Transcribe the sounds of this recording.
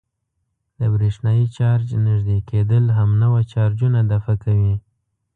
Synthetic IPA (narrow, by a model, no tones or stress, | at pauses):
d̪əbɾeʂnɑjit͡ʃɑɾd͡ʒnəʒd̪eked̪əlɦamnawat͡ʃɑɾd͡ʒunad̪afakawi